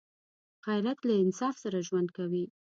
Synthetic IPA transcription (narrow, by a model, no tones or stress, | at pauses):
ɣajɾat̪laɪnsɑfsaɾaʒwand̪̚kawi